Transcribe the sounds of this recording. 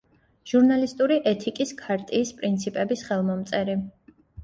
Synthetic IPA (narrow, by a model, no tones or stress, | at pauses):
ʒ̥uɾnalist̪ʼuɾiʔɛt̪ʰikʼiskʰaɾt̪ʼiːspʼɾint̪sʰipʼɛbisχɛlˠmɔmt̪sʼɛɾi